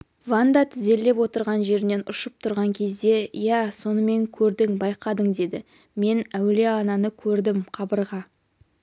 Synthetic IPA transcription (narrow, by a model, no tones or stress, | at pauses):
vand̪ɑt̪ʰɪze̞lːe̞pwo̞t̪əɾʁɑnʒe̞ɾɪne̞nʊʃəp̚t̪ʰʊɾʁɑŋkʲʰe̞zd̪e̞jæso̞nəme̞ŋkʲʰɵɾd̪ɪŋbɑjqɑd̪əɴd̪e̞d̪ɪ | me̞næwle̞ɑnɑnəkʲʰɵɾd̪ɪmqʰɑbəɾʁɑ